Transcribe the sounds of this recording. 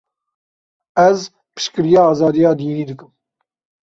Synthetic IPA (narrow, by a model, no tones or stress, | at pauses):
ɛz | pɨ̥ʃkɨɾijɑːɑːzɑːd̪ijɑːd̪iːniːd̪ɨkɨm